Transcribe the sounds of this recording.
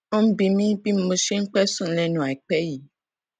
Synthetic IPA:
o˦m̩˦bi˧mĩ˦bi˦m̩˦mo˧ʃe˦ŋ̩˦k͡pɛ˦sũ˦˨˦lɛ˦nũ˨˦a˨i˨k͡pɛ˦ji˨˦

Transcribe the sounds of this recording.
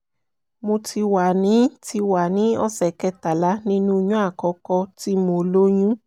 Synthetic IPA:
mũ˧ti˧wa˨nĩ˨˦ti˧wa˨nĩ˨˦ɔ̰˦sɛ˨kɛ˧˦ta˨la˦nĩ˦nũ˦ɲũ˦a˦˨kɔ˨˧kɔ˧ti˦mo˨˦lo˦ɲũ˦

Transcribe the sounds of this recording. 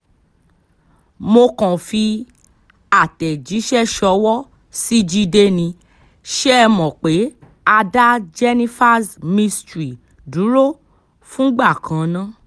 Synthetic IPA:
mo˧kɔ̃˨fi˧ | a˨tɛ˨d͡ʒi˨˦ʃɛ˦ʃɔ˧wɔ˦ | si˦d͡ʒi˦˧de˦nĩ˧ | ʃɛ˦ɛ˧mɔ̃˨k͡pe˨˦ | a˧da˦d͡ʒɛ˧nĩ˦fa˦smĩ˧stɾi˨ | du˨˦ɾo˦˨ | fũ˦ɡ͡ba˦˨kʰã˨nã˦

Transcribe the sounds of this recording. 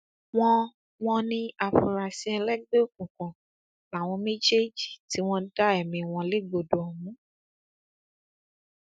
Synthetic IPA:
w̃ɔ̃˦ | w̃ɔ̃˧nĩ˧a˨fu˨˧˨ɾa˧sĩ˧˦ɛ˧lɛ˦ɡ͡be˦o˦˨kũ˨kɔ̃˨ | la˨w̃ɔ̃˧mẽ˦d͡ʒe˦d͡ʒi˨ti˨˦w̃ɔ̃˧da˦ɛ˦˨mĩ˧˨w̃ɔ̃˧le˦ɡ͡bo˨do˨ɔ˨mũ˨˦

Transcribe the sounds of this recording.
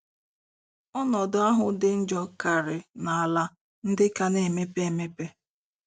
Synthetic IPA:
ɔ˦nɔ˨dʊ˨˦a˦ɦʊ˨dɪ˦n̩˦d͡ʒɔ˦ka˨ɾɪ˨na˨a˨la˦ | n̩˦dɪ˦ka˦ne˨me˦pe˦e˨me˦pe˦

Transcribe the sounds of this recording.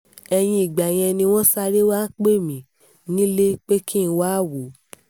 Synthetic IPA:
ɛ˧j̃ĩ˧i˨ɡ͡ba˨j̃ɛ̃˧nĩ˧w̃ɔ̃˦sa˧ɾe˦wa˦k͡pe˦˨mĩ˨ | nĩ˦le˦k͡pe˦kĩ˦n̩˧waː˦˨wu˨˦

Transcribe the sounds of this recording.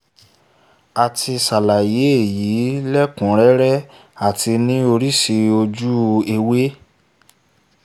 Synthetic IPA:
a˨tʰi˧sa˨la˨je˨˦e˦˨ji˨˦lɛ˦kũ˨˦ɾɛ˦ɾɛ˦ | a˦˨tʰi˧nĩ˦o˧ɾi˦ʃi˧o˧d͡ʒu˦˧e˧we˦

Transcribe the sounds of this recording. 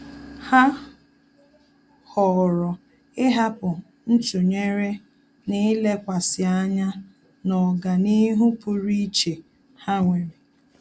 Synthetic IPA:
ha˦ | hɔ˨ɾɔ˨ | ɪ˦ɦa˦pʊ˨ | n̩˦tu˨ɲe˦ɾe˦ | nɪ˦le˦kʷa˨sɪ˨a˦ɲa˦ | nɔ˨ɡa˨ni˦ɦu˦pʊ˦ɾi˦t͡ʃe˨ | ha˦ŋʷe˨mi˨

